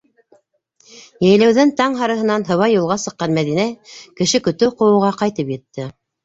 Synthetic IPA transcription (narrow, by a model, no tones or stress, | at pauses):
jæjlæwðɘnt̪ɑɴɦɑɾɤ̆ɦɤ̆nɑnɦɤ̆wɑjːulˠʁɑsɤ̆qːɑnmæðinækɘ̆ʃɘkɵ̆t̪ɘqŏjɤ̆wʁɑqɑjt̪ɤpjɘ̆t̪ːɘ